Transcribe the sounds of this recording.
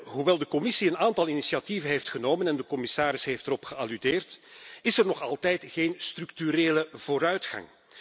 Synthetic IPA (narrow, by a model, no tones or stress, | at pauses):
ɦuʋɛlˠdəkɔmɪsiənaːntɑlˠinisiativənɦeːftxənoːmənɛndəkɔmɪsaːɾɪsɦeːftəɾɔpxəalydeːrtɪsɛrnɔxɑlˠtɛjtɣeːnstrɵktyɾeːləv̥oːɾœɥtxɑ̰ŋ